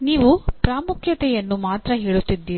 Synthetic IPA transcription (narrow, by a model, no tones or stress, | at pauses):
niːʋupɾaːmukʰjɐt̪ɛjɐnːumaːt̪ɾɐɦiːɭut̪ːid̪ːiː